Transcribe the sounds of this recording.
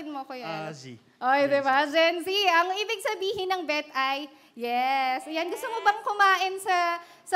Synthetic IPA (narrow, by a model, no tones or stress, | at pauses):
ɪd̪moɐkojoni | ʔojd̪ɛbad͡ʒɛnsiɐŋʔiːbɪɡ̚sɐbiːhɪnːɐŋbɛt̪ʔɐj | jɛsjanɡʊst̪omobɐŋkʊmaːʔɪnsɐ | sɐ